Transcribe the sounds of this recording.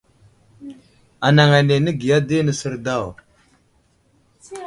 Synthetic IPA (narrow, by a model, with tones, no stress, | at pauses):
a˨na˨ŋa˨ne˨nə˦ɡi˨ja˦di˦nə˨sə˨ɾda˦˨w